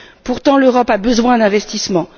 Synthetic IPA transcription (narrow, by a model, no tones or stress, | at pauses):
puʁt̪ɑ̃løʁɔpabəzwɛ̃d̪ɛ̃vɛst̪ismɑ̃